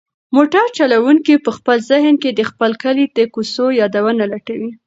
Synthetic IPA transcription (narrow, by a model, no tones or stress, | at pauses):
moʈaɾt͡ʃalawuŋkipəxpəlzɪɦnked̪əxpəlkəlid̪əkusojɑd̪awənalaʈawi